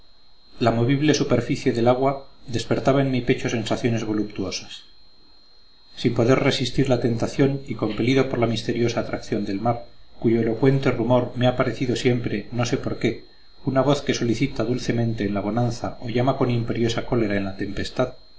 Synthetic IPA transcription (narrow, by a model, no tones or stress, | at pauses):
lamo̞β̞iβle̞supe̞ɾfiθje̞ðe̞laɣwad̪e̞spe̞ɾt̪aβaenmipe̞t͡ʃo̞se̞nsaθjo̞ne̞zβo̞lup̚t̪uo̞sḁs | impo̞ðe̞ɾre̞sist̪iɾlat̪e̞nt̪aθjo̞niko̞mpeliðopo̞ɾlamist̪e̞ɾjo̞saːt̪ɾakθjo̞nd̪e̞lmaɾkuʝo̞elo̞kwe̞nt̪e̞rumo̞ɾme̞apaɾe̞θiðo̞sje̞mpɾe̞no̞se̞po̞ɾke̞ | unaβo̞θke̞so̞liθit̪aðulθe̞mẽ̞nt̪e̞ːnlaβ̞o̞nanθao̞ʝamako̞nimpe̞ɾjo̞sako̞le̞ɾae̞nlat̪e̞mpe̞st̪að